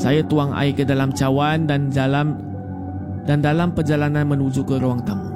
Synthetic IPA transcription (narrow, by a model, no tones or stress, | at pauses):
sajat̪uaŋa̰ikədalamt͡ʃawandand͡ʒalam | dandalampərd͡ʒalananmənud͡ʒukəɾoaŋt̪am